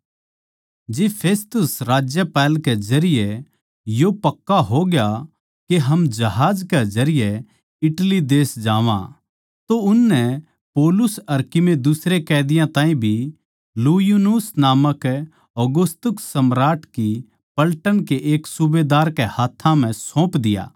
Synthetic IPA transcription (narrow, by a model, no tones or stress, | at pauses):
d͡ʒeːpʰeːst̪ʊsɾaːd͡ʒjəpɛːlkɛd͡ʒɐɾɪjɛ | jopɐkːaɦoɡja | keɦɐmd͡ʒɐɦaːd͡ʒkɛd͡ʒɐɾɪjɛ | ɪʈlid̪eːsd͡ʒaːʋã̰ | t̪oʊnːɛ | poːlʊsɐɾkɪmed̪ʊsɾekɛːd̪ɪjãt̪ãːĩbʱi | lujunusnaːməkɛ | ɔɡʊst̪ʊksɐmɾaːʈki | pɐlʈənkeʔeːksʊbed̪aːɾkehaːt̪ʰːãm̤ɛ̃sõːpd̪ɪja̰ː